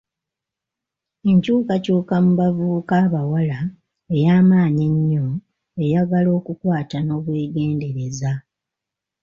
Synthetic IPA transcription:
e̞ɲcuːkacuːkamuβavukaːβawala | e̞jaːmaːɲeɲːo̞ | e̞jaɡalo̞ːkukwaːtano̞ːβwe̞ːɡe̞ːnde̞ɾe̞za

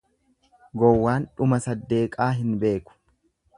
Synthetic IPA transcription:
ɡɔwːaːnᶑʊmɐsɐd̪ːe̞ːkʼaːɦɪnbe̞ːkʊ̥

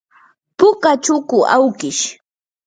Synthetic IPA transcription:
pʊkat͡ʃʊkʊʔawkɪʃ

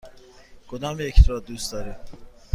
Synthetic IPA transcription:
ɡ̥od̪ɒːmjecʰt̪ɒːd̪̚d̪uːst̪d̪ɒːɾim

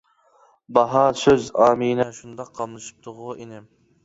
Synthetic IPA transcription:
bɑɦɑsøzɑːminɛʃund̪ɑqʰːɑmnˠɨʃi̥p̚t̪ʰʊʁʊenɪ

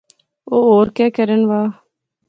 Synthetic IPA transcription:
oːɦoːɾkɛːkəɾənʋaː

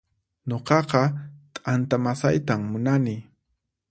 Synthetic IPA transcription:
ɲoqɑqɑt̪ʼant̪amasajt̪amːʊnanɪ

